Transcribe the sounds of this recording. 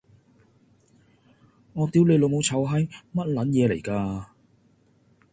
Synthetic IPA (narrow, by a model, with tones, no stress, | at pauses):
ŋɔː˨˧t̪iː˧wle˨˧jlo˨˧mo˨˧wt͡sʰɐ˨˥wɦɐ˨˥jmɐ˥t̚lɐ˨˥njɛː˨˧le˨˩jkaː˧